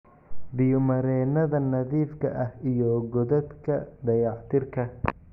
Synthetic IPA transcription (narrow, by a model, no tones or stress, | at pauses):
b̪ɪjʊmɐɾɛːnɐðɐnɐðiːfkʰɐʔɐhijɔɡɔðɐd̪kʰɐd̪ɐjɑħt̪ʰɪrkʰɐ